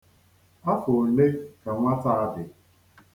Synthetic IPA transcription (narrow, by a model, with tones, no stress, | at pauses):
a˦fʊ˨le˦ka˨ŋʷa˦ta˦a˦dɪ˨